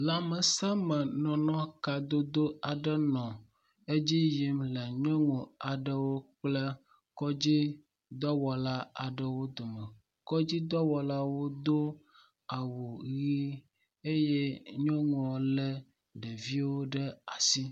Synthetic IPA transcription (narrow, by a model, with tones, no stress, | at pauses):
la˨mə˨sa˦mɛ̃˨nɔ̃˨nɔ̃˦ka˨d̪o˦d̪o˦a˨ɖɛ˦nɔ̃˨ | e˦d͡ʑi˦ji˨mlɛ˨ɲɔ̃˦ŋũ˨a˨ɖə˦wo˦k͡plɛ˦ | kɔ˦d͡ʑi˦ | d̪ɔ˦wɔ˨la˦a˨ɖə˨wo˦d̪o˨mɛ̃˨ | kɔ˦d͡ʑi˦d̪ɔ˦wɔ˨la˦wo˦d̪o˦ | a˨wo˨ɣi˦ | e˦je˦ɲɔ̃˦ŋ˦ɔ̃˨lɛ˦ | ɖe˨vi˦wo˦ɖə˦a˨si˦